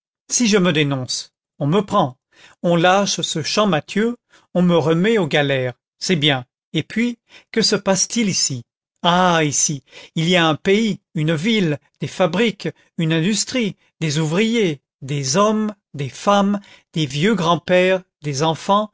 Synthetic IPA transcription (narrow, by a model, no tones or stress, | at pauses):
siʒəməd̪enɔ̃s | ɔ̃məpχɑ̃ | ɔ̃laʃsəʃɑ̃mat̪ʰjø | ɔ̃məʁəmɛoɡalɛʁ | sɛbjɛ̃ | epɥi | kəsəpast̪ilisi | aisiiliaɛ̃peiynvild̪̥efabʁik | ynɛ̃d̪yst̪χi | d̪ezuvʁije | d̪ezɔm | d̪efam | d̪evjøɡʁɑ̃pɛʁd̪ezɑ̃fɑ̃